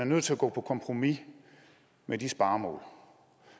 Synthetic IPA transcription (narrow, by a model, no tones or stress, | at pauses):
æɐnøð̰ˠʰe̝læɡ̥ɔ̰̽ːpʰɒ̽kʰɒ̽mpʰʁo̝mi | med̥isb̥ɑ̈ːmɔ̰̽ːl